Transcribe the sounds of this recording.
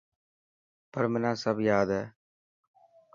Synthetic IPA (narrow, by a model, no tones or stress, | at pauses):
pəɾmɛnãːsəbjaːd̪ɦɛː